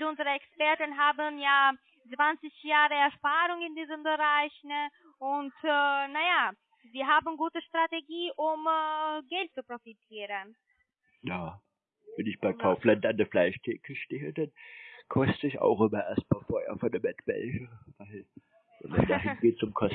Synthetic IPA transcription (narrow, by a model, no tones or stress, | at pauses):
lʔʊnzəʁəɛkspɛɐtənɦaːbənjaː | t͡sv̥ant͡sɪçjaːʁəɛɐʃpaːɾʊŋɪndiːzəmbəʁaɪçn | ʊntːnaja | ziːɦaːbn̩ɡuːtəʃtʁ̥ateɡiːʔʊmɡɛlt̚t͡supʁ̥ofitʰiːʁən | jaː | vɛnɪçb̥aɪkʰaʊflandandəflaɪʃtʰɛːkʰəʃteːədankʰɔstəɪça̰ʊxʔɪmɐʔḛːɐst̚m̥afɔɐ̰fɔndɛmbɛtb̥ɛ̰lçəvaɪl | vɛ̰nɪ̰sd̥aːɦɪnɡeːt̚t͡sʊmkʰɔs